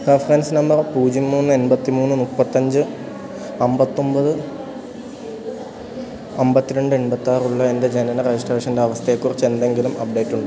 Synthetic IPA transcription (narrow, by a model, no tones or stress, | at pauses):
refɐrɐnsɨnɐmbɐrpuːd͡ʑimːuːnːɨe̞nbɐt̪ːimuːnːunupːɐt̪ːɐɲd͡ʑɨ | ɐmbɐt̪ːo̞mbɐðɨ | ɐmbɐt̪ːiɾe̞ɳɖɨenbɐt̪ːaːruɭːɐende̞d͡ʑe̞nɐnɐred͡ʑisʈoreːʂɐndeɐʋɐst̪ʰɐekːurɐt͡ɕːe̞nd̪e̞ŋɡilumɐp̚ɖe̞ːʈːuɳɖɨ